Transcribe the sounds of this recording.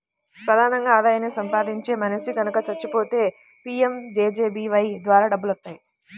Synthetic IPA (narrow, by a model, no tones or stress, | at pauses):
pɾɐd̪ʱaːnɐŋɡaːd̪aːjɐnisɐmpaːd̪iɲt͡ʃe̞ːmɐnɐʃiɡɐnɐkɐt͡ʃɐɾt͡ʃːupo̞ːt̪e̞ː | piːemd͡ʒeːd͡ʒeːbiːʋɐjd̪ʋaːɾaːɖɐbːulɐt̪ːaːji